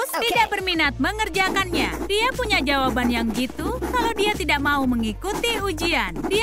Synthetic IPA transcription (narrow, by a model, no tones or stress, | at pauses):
t̪idaʔbərminat̪̚məŋərd͡ʒakanɲad̥iapuɲad͡ʒawabanjaŋɡit̪ukaludiat̪idaʔmauməŋikut̪iud͡ʒiandi